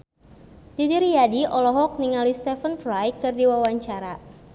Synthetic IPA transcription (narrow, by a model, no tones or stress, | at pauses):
d̥idiɾijadiʔɔlɔɦɔk̚niŋalist̪ɛfənfɾajkɨrdiwawaɲt͡ʃaɾa